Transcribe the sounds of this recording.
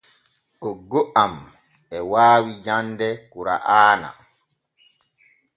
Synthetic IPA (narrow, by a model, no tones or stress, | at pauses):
ʔɔɡoʔam | ɛwaːwid͡ʒandɛkuɾa̰ʔaːna̰